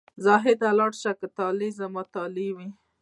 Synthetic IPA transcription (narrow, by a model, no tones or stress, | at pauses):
zɑɦɪd̪alɑɽʃakət̪ɑlizamɑt̪ɑliwi